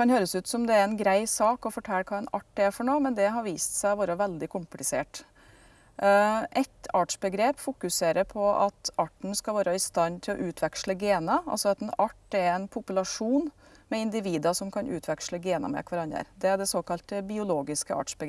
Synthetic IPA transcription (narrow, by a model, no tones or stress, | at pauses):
kɑnhøːɾəsʉːt̪sɔmd̪ɛæɾɛnɡɾæɪsɑːkɔfɔʈʰɛlːkʰɑːɛnɑ̰ʈ̪ːɛfɔɳoːmɛnd̪ɛɦɑɾʋiːst̪sæɪʋoːɾəʋɛld̪ɪkʰʊmplɪseːʈ | ʔɛt̪ɑʈʂbəɡɾeːpfʊkʉseːɾəɾpʰɔʔɑ̰t̪ʔɑʈɳ̩skɑlʋɑːɾəɪst̪ɑnːt̪ʰɪlɔ̰ʔʉːt̪ʰʋɛkʂɭəɡeːnəɑ̰lsɔɑt̪ɛnɑʈːɛɾɛnpʰʊpʉlɑʂuːn | mɛɪnd̪ɪʋiːd̪ɑsɔmkʰɑnʔʉ̰ːt̪ʰʋɛkʂləɡeːnə̰mɛ̰kʰʋɑɾɑnːə̰ɾd̪ɛæɖɛsoːkɑlt̪əbɪʊloːɡɪskəɑ̰ːʈʂbəɡ